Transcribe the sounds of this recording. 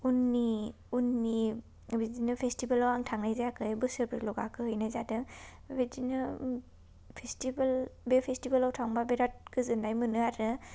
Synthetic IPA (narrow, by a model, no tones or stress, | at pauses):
unːi | unːi | bezinɯpʰestibalawaŋtʰaŋnajzajakʰɯjbɯsɯɾbɯɾlɔɡakʰɯhɯjnajzadɯ | bezinɯ | pʰestibalbepʰestibalawtʰaŋbabeɾat̚kʰɯzɯnːajmɯnɯaɾɯ